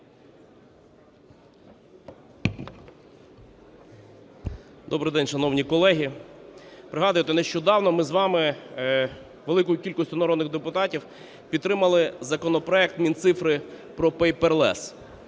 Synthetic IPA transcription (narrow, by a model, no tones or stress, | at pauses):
d̪ɔbɾɪjd̪ɛnʲʃɐnɔwnʲikɔlˠɛɦʲi | pɾɪɦɑd̪ʊjɪt̪eneʃt͡ʃɔd̪ɑwnɔmɪzʋɑmɪ | ʋelˠɪkʊjʊkʲilʲkɔsʲtʲʊnɐɾɔd̪nɪɣd̪epʊt̪ɑtʲiw | pʲid̪̚t̪ɾɪmɐlˠɪzɐkɔnɔpɾɔɛk̚t̪mʲint̪sɪfɾɪ | pɾɔpɛjpɛrlˠɛ̰s